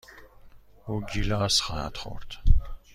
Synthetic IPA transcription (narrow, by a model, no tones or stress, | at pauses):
uɡilaːsχaa̰t̪ʰχɔ̰ɾt̪ʰ